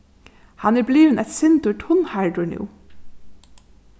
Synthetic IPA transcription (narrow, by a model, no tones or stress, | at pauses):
hɑnæɹbliːʋənɛt̪sɪnd̪ʊʈʰʊnhɑɹɖʊnṵː